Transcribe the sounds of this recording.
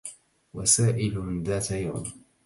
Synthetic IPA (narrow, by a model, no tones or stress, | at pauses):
wasaːʔɪlðaːt̪aja̰m